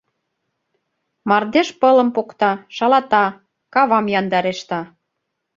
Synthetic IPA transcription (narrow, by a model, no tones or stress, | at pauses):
mɑrd̪eʃpɤlə̆mpokt̪ɑʃɑlɑt̪ɑ | kɑβɑmjɑnd̪ɑɾeʃt̪ɑ